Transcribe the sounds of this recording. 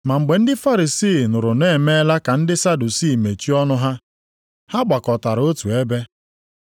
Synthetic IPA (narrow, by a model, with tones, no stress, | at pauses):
ma˨ŋ͡m̩˨ɡ͡be˨n̩˦dɪ˦fa˦ɾi˨siː˦˨nʊ˨ɾʊ˨ne˦˨me˦la˦ka˨n̩˦dɪ˦sa˦du˨siː˦˨me˨t͡ʃi˦ɔ˦nʊ˦ɦa˦ | ha˦ɡ͡ba˨kɔ˨ta˨ɾo˦tu˨e˦be˦